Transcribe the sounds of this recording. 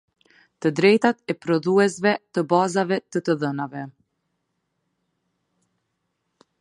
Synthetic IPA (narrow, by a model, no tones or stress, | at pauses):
t̪əd̪ɾɛjt̪at̪ɛpɾɔðuɛsvɛt̪əbazavɛt̪ət̪əðənavɛ